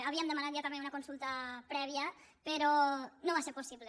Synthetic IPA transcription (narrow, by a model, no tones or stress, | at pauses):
aβiamd̪əmanat̪ʎat̪ameunɐkonsulˠt̪ɐpɾɛβ̞iə | peɾonoβaseɾposiβle